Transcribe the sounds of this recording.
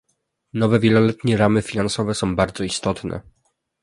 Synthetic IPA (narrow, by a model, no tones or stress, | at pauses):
nɔvɛvʲjɛlɔlɛt̪ɲɛɾamɘfʲinansɔvɛsɔ̃w̃baɾd̪zɔist̪ɔt̪nɛ̰